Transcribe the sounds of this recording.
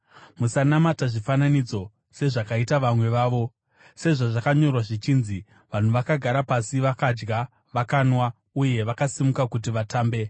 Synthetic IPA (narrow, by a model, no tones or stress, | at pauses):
musanamataʐifananid͡zo̞ | se̞ʐakaitaʋamwe̞ʋaːʋo̞ | se̞ʐaʐakaɲo̞rwaʐit͡ʃiːnzi | ʋan̤uʋakaɡʱaɾapasiʋakad͡ʒɡa | ʋakaːnwa | uje̞ʋakasimukakutiʋataːmbe̞